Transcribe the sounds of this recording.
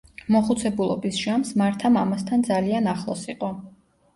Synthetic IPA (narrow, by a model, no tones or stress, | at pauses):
mɔχut̪sʰɛbulˠɔ̰bisʒamsmaɾt̪ʰamamast̪ʰand̪zalianaχlˠɔsiqʼɔ